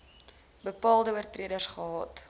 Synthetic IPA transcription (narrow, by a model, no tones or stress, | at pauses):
bəpɑːlˠdəərtriədərsχəɦɑt